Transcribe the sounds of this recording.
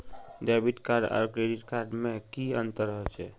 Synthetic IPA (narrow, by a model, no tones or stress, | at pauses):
ɖɛbit̪kaɾɖa̰ɾkɾeɖiʈkaɾɖmekiənt̪əɾəɦet͡ʃʰɛ